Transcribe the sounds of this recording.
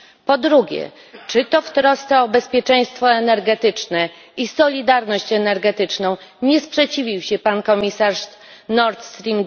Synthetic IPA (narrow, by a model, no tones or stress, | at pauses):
pɔd̪ɾuɡʲɛ̰ | t͡ʂɘt̪ɔft̪ɾɔst̪ɛɔbɛspʲjɛt͡ʂɛ̃j̃st̪fɔɛnɛɾɡɛt̪ɘt͡ʂnɛ | isɔlʲid̪aɾnɔɕt͡ɕɛnɛɾɡɛt̪ɘt͡ʂnɔ̃w̃ | ɲɛspʂɛt͡ɕivʲiwɕɛpankɔmʲisaʂ | nɔɾt̪st̪ɾʲim